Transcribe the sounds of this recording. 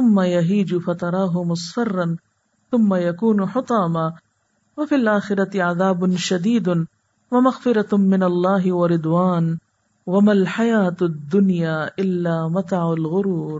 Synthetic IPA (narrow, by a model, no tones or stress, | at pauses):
θʊmːajaɦiːd͡ʒʊfat̪ɑɾˤɑːɦʊmʊsˤfɑrˤːɑn | θʊmːajakuːnħʊt̪ˤɑːmaː | wafilʔaːxɪɾˤɑt̪ɪʕaðaːbʊnʃad̪iːd̪ʊ | wamaɣfɪɾˤɑmɪnalˤːɑːɦɪwaɾɪd̪ˤwaːn | wamalħajaːt̪d̪ːʊnjaːʔɪlːaːmat̪aʕʊlɣʊɾuːɾ